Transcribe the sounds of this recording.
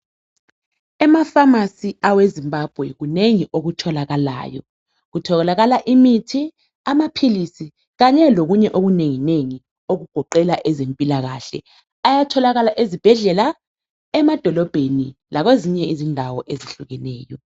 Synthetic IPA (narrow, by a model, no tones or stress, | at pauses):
ɛmafamasiawezimbab̥ʱwɛɣuneŋiʔoɣutʰɔlaɣala̰ːjɔ̰ | ɣutʰɔɣɛlaɣalaʔimitʰi | amapʰilisi | ɣaɲɛloɣuɲɛʔoɣuneŋineŋi | oɣuɡ̥ʱɔǃɛlaʔɛzempʼilaɣa̰ːɬɛ̰ | ajatʰɔlaɣalaʔezib̥ʱɛɮɛla | ɛmad̥ʱɔlɔb̥ʱenilaɣweziɲɛizindʱawɔʔeziɬuɣɛnɛ̰ːjɔ